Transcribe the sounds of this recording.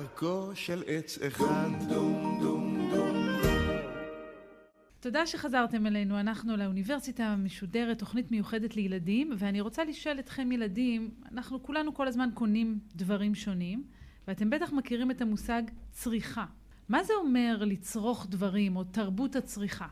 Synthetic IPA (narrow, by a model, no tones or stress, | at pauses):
koʃelet͡seχaddod̪odo | to̞daʃe̞χazaʁte̞mele̞nuanaχnuleuniveʁsitameʃode̞ʁetːo̞χnitme̞juχe̞de̞tle̞jeladimveaniʁo̞t͡saliʃʔe̞letχe̞mjeladima̰naχnukulanuko̞lazmanko̞nimdvaʁimʃo̞nim | veate̞mbe̞taχmakiʁime̞tamusaɡt͡sʁiχa | mazeo̞me̞ʁlit͡sʁo̞χdvaʁimo̞taʁbutat͡sʁiχa